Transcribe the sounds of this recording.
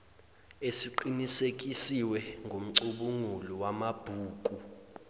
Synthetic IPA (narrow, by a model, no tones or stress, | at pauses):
esiǃinisek̬ʼisiwɛŋɡʱom̩ǀuɓuŋuliwamab̥ʱuːk̬ʼu